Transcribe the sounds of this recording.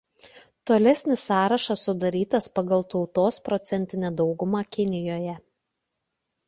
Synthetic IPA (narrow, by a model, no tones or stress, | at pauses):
t̪oːlʲɛsʲnʲɪsɑːɾɐʃɐsʊd̪ɐɾʲiːt̪ɐspɐɡɐlˠt̪ɒʊt̪oːspɾɔt̪sʲɛnʲt̪ʲɪnʲɛd̪ɒʊɡʊmɑːkʲɪnʲɪjoːjɛ